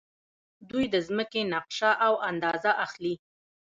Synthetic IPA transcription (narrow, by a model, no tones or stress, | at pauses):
d̪ujd̪əzməkenɑqʃaʔawand̪ɑzaʔaxli